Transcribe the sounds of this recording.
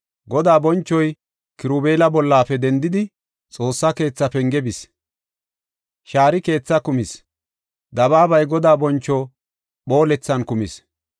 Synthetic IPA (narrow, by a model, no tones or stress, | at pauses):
ɡɔd̪aːbɔnt͡ʃːɔj | kɪɾube̞ːlɐbɔlːaːfɛd̪ɛnd̪ɪd̪ɪ | t͡sʼo̞ːsːɐke̞ːt͡sːɐpɛŋɡɛbɪs | ʃaːɾɪke̞ːt͡sːɐkʊmɪs | d̪ɐβaːbɐjɡɔd̪aːbɔnt͡ʃːɔ | ɓo̞ːlɛt͡sːɐnkʊmɪs